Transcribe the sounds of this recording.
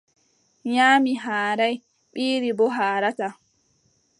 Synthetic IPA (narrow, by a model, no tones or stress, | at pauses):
ɲaːmiɦaːɾaj | ɓiːɾibɔɦaːɾata